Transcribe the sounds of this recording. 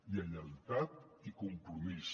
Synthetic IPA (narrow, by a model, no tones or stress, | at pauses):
jiəʎənt̪at̪̚ikumpɾumis